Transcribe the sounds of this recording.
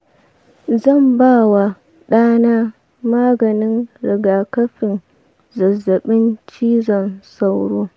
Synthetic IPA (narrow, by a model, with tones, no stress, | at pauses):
zɐ˦˨mbaː˦˨wa˨ | ɗaː˦naː˦ | maː˦ɡɐ˨nɪ˦nɾɪ˨ɡaː˨kɐ˦ɸɪ˨n | zɐ˨zːɐ˨ɓɪ˦nt͡ʃiː˦zɐ˨nsa˦wɽoː˦